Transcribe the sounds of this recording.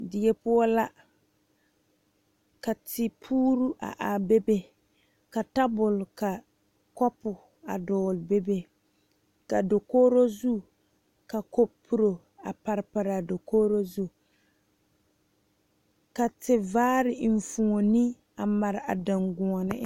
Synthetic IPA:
dɪ˨jɛ˦pʊ˦ɔ˦la˦ | ka˨tɪ˨pʰuː˦ɾu˦ʔa̰˨ʔa˨be˦be˦ | ka˨ta˦bʊ˨lka˨ | kɔ˦pʊ˨ | a̰˨dɔː˨lbe˦be˦ | ka˨do˨koː˦ɾo˦zu˦ | ka˨ko˦pʰːu˦ɾo˨ | a˨pa˨ɾɪ˨˦pa˨ɾa˨do˨koː˦ɾo˦zu˦ | ka˨tɪ˨vaː˦ɾɪ˨ɱ˨fu˨ŋo˨nɪ˦ | a˨ma˨ɾɪ˨a̰˨da˨ŋɡʊ˨ɔ˨nɪ̰˦

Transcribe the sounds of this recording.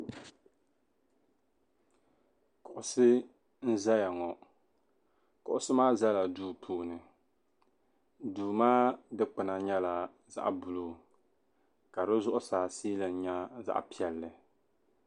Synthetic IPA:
kʊ˨ʔʊ˨sɨ˦ | n̩˦za˦ja˨ŋɔ˨ | kʊ˨ʔʊ˦sɨ˦maː˦za˦la˨duː˦pʰuː˦nɨ˨ | duː˨maː˦dɨ˦k͡pɨ˨na˨ɲɛ˦la˨ | za̰˦ʔbʊ˨lo˦ | ka˨ɾɨ˦zʊ˦ʔʊ˦saː˨siː˦lɨ˨n̩˨˦ɲa˦za̰˦ʔpi˦ɛ˨lːɨ˨

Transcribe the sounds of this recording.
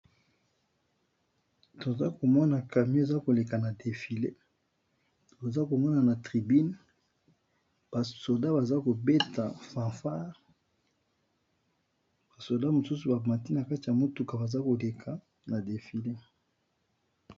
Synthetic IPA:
to˨za˦ko˨mɔ˦na˨ka˨m˦e˨za˦ko˨le˨ka˨na˨de˨fi˨le˦ | to˨za˦ko˨mɔ˦na˨na˨tʁi˨bi˦n | b̥a˨so˨da˦ba˨za˦ko˨be˦ta˨fã˨fa˦ʁ | b̥a˨so˨da˦mo˨su˦su˨ba˨ma˨ti˦na˨ka˦ti˨ja˨mo˦tu˨ka˨ba˨za˦ko˨le˨kʰa˨ | na˨de˨fi˨le˦

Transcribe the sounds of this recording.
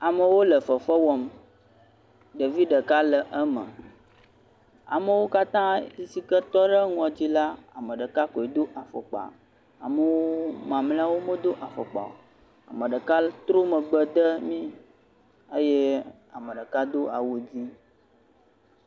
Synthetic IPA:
a˨mə˨wo˦lə˨fə˨fə˦wɔ˨m | ɖə˨vi˦ɖə˨ka˦lə˨ʔə˦mə̰̃˨ | a̰˨mə˨wo˦ka˦t̪ã˦i˨si˦kə˦t̪ɔ˦ɖə˦ŋ˦ɔ̃˨d͡ʑi˦la˦a̰˨mə̃˨ɖə˨ka˦kɔ˨e˨d̪o˦ʔa˨fɔ̰˨k͡pa̰˨ | a̰˨mə˨wo˦mã˨mlẽ˦a˦wo˦mə̃˦d̪o˦ʔa˨fo˨k͡pa̰˨o˨ | a̰˨mə̃˨ɖə˨ka˦t̪ɾo˦mə̃˨ɡ͡bə˦d̪ə˦mĩ˦ | ə˦je˦ | a˨mə˨ɖə˨ka˦d̪o˦a̰˨wo˨d͡ʑi˦

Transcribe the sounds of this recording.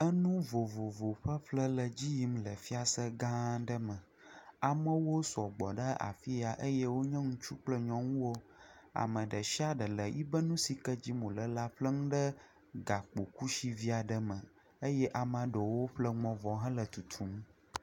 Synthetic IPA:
ə˦nũ˦vo˨vo˨vo˨ɸə˦ɸlə˦lə˨d͡ʑi˦ji˦mlə˨fi˦a˨sə˦ɡã˦ɖə˦mə̃˨ | a˨mə̃˦wo˦sɔ˨ɡ͡bɔ˨ɖə˦a̰˨fi˦a˨ʔə˦jɛ˦wo˦ɲɛ̃˦ŋũ˦t͡ʃu˦k͡plə˦ɲɔ̃˦ŋũ˦wo˦a̰˨mə̃˨ɖə˨ʃi˦a˦ɖə˨lə˨ji˦bə˦nũ˦si˨kə˦d͡ʑi˦mõ˨lə˨la˦ɸlə˦ŋũ˦ɖə˦ | ɡa˨k͡po˨ku˦ʃi˦vi˦a˨ɖə˨mə̃˨ | ə˦jɛ˦ʔa˨m˦ã˨ɖo˨wo˦ɸlə˦ŋ͡mɔ̃˨vɔ˨ɦɛ̃˦lə˨t̪u˨t̪ʰu˨˦m˦

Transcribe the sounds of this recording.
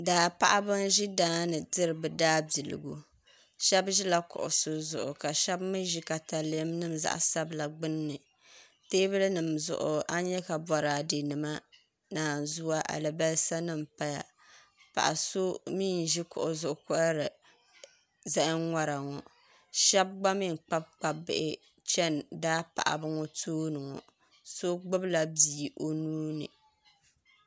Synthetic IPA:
daː˨pa˦ʔa˦bɨ˦n˦ʒi˦daː˦nɨ˨dɨ˦ɾɨ˨bɨ˨daː˦bi˨lɨ̰˨ɡu˨ | ʃɛ˦bʒi˦la˨kʊ̰˨ʔʊ̰˨sɨ˨zʊ̰˨ʔʊ˨ka˨ʃɛ˦bmɨ˦ʒi˦ka˨ta˨le˦mnɨ˦m˨za̰˦˨ʔsa˦bla˨ɡ͡bɨ˦nːɨ˨ | teː˦bɨ˦lɨ˦nɨ˨mzʊ̰˨ʔʊ̰˨a˦ɲɛ˦ka˨bɔ˨ɾaː˨de˨nɨ˨ma˦ | naː˨n˨zu˦wa˦ʔa̰˨lɨ˨ba˦lsa˦nɨ˦mpa˦ja̰˨ | pa̰˨ʔa̰˨so˦miː˦n˨ʒi˦kʊ̰˨ʔʊ˨zʊ˨ʔʊ˨kʊ˦a˦ɾɨ˨ | za˦ʔɪ˦ŋŋʷa˦ɾa˨ŋɔ˨ | ʃɛ˦b̚ɡ͡ba˦mi˦˨ŋ˨k͡pa˦b̚k͡pa˨bɪ̰˨ʔɪ˦ | t͡ʃɛ˦ndaː˦pa̰˨ʔa̰˨bɨ˦ŋɔ˦tʰoː˦nɨ˨ŋɔ̰˨ | so˦ɡ͡bɨ˦bla˨bi˨ʔo˨nuː˦nɨ̰˨

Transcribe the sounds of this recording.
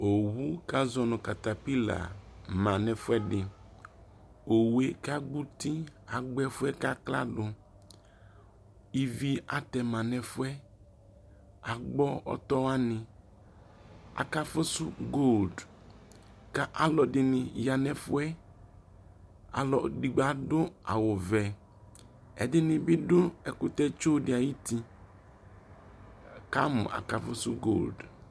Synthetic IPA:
o˨wu˦ka˦zɔ˨nɔ̃˨ka˨t̪a˨pi˦la̰˨mã˨nɛ˨fʊ˦ɛ˦dɪ˨ | o˨we˨ka˦ɡ͡bu˦t̪i˦a˨ɡ͡bɛ˦fʊ˦ɛ˦ka˦kla̰˦ɖʊ˨ | i˦vi˦a˨tɛ˨mã˨nɛ˨fʊ˦ɛ˦ | a˨ɡ͡bɔ˦ɔ̰˦t̪ɔ˦a˦nɪ̃˨ | a̰˨ka˦fʊ˦sʊ˦ɡo˦˨ld | ka˦ʔa˨lɔ˨dɪ˨nɪ˨ja˨nɛ˨fʊ˦ɛ˦ | a̰˨lɔ˨di˨ɡ͡ba˨dʊ˦a̰˨wʊ˨vɛ˨ | ɛ̰˨dɪ˦nɪ̃˨bɪ˦dʊ˦ɛ˨kʊ˨t̪ɛ˦t͡ʃo˦dɪ˨˦a˨ji˦ti˦ | ka˦mʊ̰̃˨ʔa̰˨ka˨fʊ˦sʊ̰˦ɡo̰˦˨ld

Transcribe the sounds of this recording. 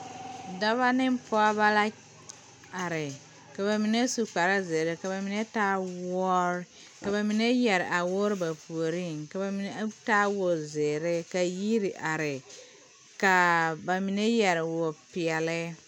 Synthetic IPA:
da˦βa˦nɪ˦m˦pɔ˦a˦ba˦la˦ | a˨ɾɪ˨ | ka˨βa˨mi˨ne˦su˨k͡pa˨ɾa˦ze˨ɾe˦ka˨ba˨mi˨ne˦taː˦wɔ˦ɾ | ka˨ba˨mi˨ne˦jɛ˨ɾɪ˨ʔa˨wʊ˦ɾba˨pu˨o˨ɾi˦˨ŋka˨ba˨mi˨ne˦taː˦wʊ˨zeː˨ɾe˦ka˨ji˦ɾi˨ʔa˨ɾɪ˨ | ka˨ba˨mi˨ne˦jɛ˨ɾɪ˨wo˨pɪ˨ɛ˨lɪ˦

